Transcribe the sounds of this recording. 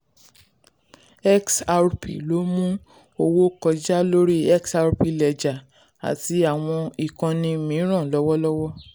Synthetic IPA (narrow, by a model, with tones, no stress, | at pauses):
ɛ˦ksa˧ɾpḭ˨lo˨˦mũ˦ | o˧wo˦kɔ˧d͡ʒa˦lo˦ɾi˦ɛ˦ksa˧ɾpi˨lɛ˨d͡ʒa˨ | a̰˨ti˨˦a˨w̃ɔ̃˧i˨kã˧nĩ˧˨mĩ˨˦ɾ̃ã˦˨lɔ˦wɔ˦lɔ˦wɔ˦